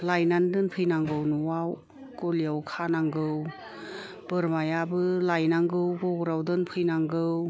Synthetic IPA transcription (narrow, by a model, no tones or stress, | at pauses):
lajnandɯnpʰɯjnaŋɡɯwnuwaw | kolijawkʰanaŋɡɯw | b̥ɯɾmajabɯlajnaŋɡɯwbɔɡɾawdɯnpʰɯjnaŋɡɯw